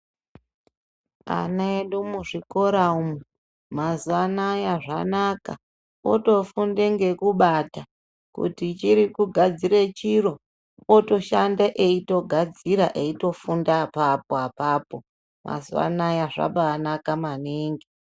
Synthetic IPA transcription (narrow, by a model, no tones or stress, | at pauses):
a̰naeɗumuʐiko̞ɾaumu | mazuanajaʐanaka̰ | oto̞fundeŋɡe̞kuɓata | kṵtit͡ʃiɾikuɡʱad͡ziɾet͡ʃiɾo̞ | oto̞ʃandaʔeito̞ɡʱad͡ziɾaʔeito̞fundapapoapaːpo̞ | ma̰zua̰najaʐa̰ɓaːnakamaneːŋɡe